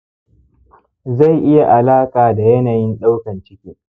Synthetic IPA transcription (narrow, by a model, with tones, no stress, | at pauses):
za˦˨jʔɪ˦ja˨ʔa˨laː˦kaː˨da˨jɐ˦naː˨jɪ˦nɗa˦wkɐ˨nt͡ʃɪ˦kʲeː˦